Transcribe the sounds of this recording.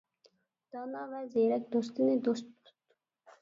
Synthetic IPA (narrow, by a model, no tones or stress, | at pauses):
d̪̥ɑːnɑːvæzeːɾɛk̚d̪ost̪ined̪ost̪̚u̥t̪